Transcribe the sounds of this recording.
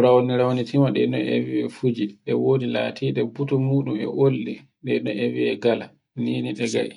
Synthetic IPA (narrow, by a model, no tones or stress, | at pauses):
ɾawniɾawnitʰimaɗɛnɔ̰ḛwiɛfud͡ʒiɗɛwoːdila̰ːtʰiɗɛbutɔmuːɗumɛ̰ʔolːi | ɗɛɗɔewiɛɡala | niːniɗɛɡa̰ʔḭ